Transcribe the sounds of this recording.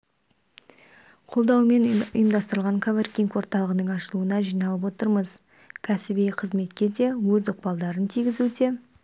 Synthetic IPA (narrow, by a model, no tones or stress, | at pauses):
qʰo̞lˠd̪ɑwme̞nʊ̰jəmd̪ɑst̪əɾəlˠʁɑŋkʰavrkʲiŋkwo̞ɾt̪ɑlˠəʁənəɴɑʃəlˠuənɑʒijnɑlˠəp̬wo̞t̪əɾməz̥ | kʲʰæsɪbijqʰəzme̞t̪kʲe̞d̪e̞wɵzʊq̚pɑlˠd̪ɑɾənt̪ʰijɡʲɪzud̪e̞